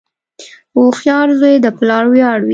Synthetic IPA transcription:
oxjɑɾzwed̪əplɑɽwjɑɽwi

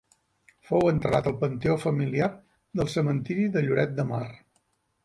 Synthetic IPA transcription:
fowənt̪ɾənat̪əlˠpənt̪eofəmiliar | ðəlˠsəmənt̪iɾiðəʎuɾɛt̪̚d̪əmar

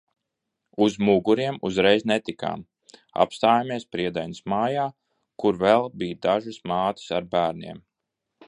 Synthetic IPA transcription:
uzmuɡuɾiɛmuzɾɛjznɛt̪ika̰ːm | a̰pst̪aːjamiɛspɾiɛd̪ajnismaːjaː | kuɾvɛlˠbiːd̪aʒɨsmaːt̪i̥saɾbæːɾnʲiɛm

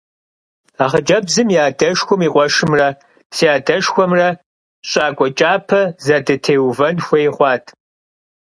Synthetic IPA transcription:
aːʁəd͡ʒɐbzɨmjaːdɐʂxʷʊmiːqʷʼɔʂɨmrɐ | siaːdɐʂxʷɔmrɐ | ɕʼaːkʷʼɔt͡ʃʼaːpʰɐzɐdɨtʰeːwvɐnxʷɐjχʷɑːtʰʼ

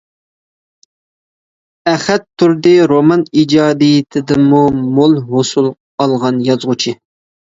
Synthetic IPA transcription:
æχɛt̪ʰːuɾd̪ɨɾomɑnid͡ʒɑːd̪ijɪt̪ʰɪd̪ɪmːumolˠɦosulˠ | ɑlˠʁɑnjɑzʁʊt͡ʃʰɪ

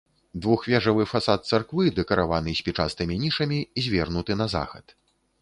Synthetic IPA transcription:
d̪vuxvʲɛʐɐvɨfasat̪̚t̪sarkvɨd̪ɛkɐɾʔa̰vanɨsʲpʲit͡ʂa̰st̪ɨmʲinʲiʂɐmʲizʲvʲɛrnut̪ɨnɐza̰xɐ̰t̪

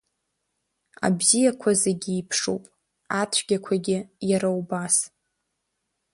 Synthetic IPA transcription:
a̰bzijakʷʰaze̞ɡʲiipʰʂo̰pʼ | atʷʰɡʲakʷʰaɡʲɪjaɾawbas

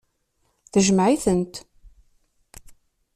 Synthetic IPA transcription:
θəʒəmʕiθənt̪

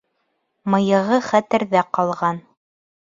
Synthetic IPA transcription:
mɤ̆jɤ̆ʁɤχæt̪ɘ̆ɾðæqɑlˠʁɑn

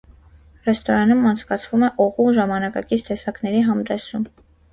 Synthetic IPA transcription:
rɛst̪ɔɾɑnumɑnt͡sʰkɑt͡sʰvumɛʔɔʁuʒɑmɑnɑkɑ̰kit͡sʰt̪ɛsɑknɛɾiɦɑmd̪ɛsum

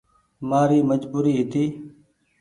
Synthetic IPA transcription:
maːɾiːməd͡ʒbuːɾiːɦɪt̪iː

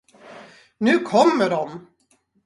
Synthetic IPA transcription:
nʉ̟ːkʰɔmːəɖɔm

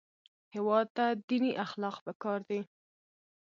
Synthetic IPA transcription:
hɪwɑd̪̚t̪ad̪iniʔaxlɑqpəkɑɾd̪e

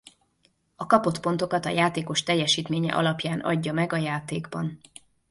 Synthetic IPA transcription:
ɒkɒpo̞t̪po̞n̪t̪o̞kɒt̪ɒ̰jaːt̪eːko̞ʃt̪ɛjːɛʃiːt̪meːɲɛ̰ʔɒ̰lɒpjaːnɒ̰ɟːɒmɛɡɒjaːt̪eːɡbɒn

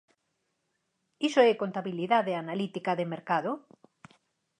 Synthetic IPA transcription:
isoɛkont̪aβiliðaðeanalit̪ikaðemeɾkaðo

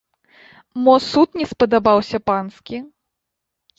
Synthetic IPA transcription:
mɔsut̪nʲɛspɐd̪abawsʲɐpanskʲi

